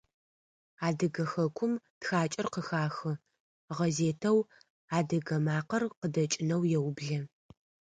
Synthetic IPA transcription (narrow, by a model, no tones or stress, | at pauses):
aːdɐɡɐxɐkʷʰʊmtxaːt͡ʃʼɐrqəxaːxɨ | ʁɐzeːtʰɐw | aːdɐɡɐmaːqɐrqədɐt͡ʃʼɪnɐwjɛwbɮɐ